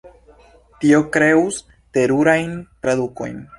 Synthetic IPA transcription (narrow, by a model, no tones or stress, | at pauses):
tio̞kɾe̞us | te̞ɾuɾajntɾaduko̞̰jn